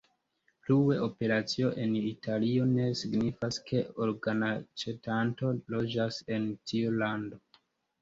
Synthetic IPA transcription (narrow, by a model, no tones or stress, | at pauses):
pluwe̞o̞pe̞ɾat͡sio̞ʔenitʰalio̞ne̞siɡnifaskʰe̞oɾɡanat͡ʃe̞tanto̞lo̞d͡ʒase̞ntʰiulando̞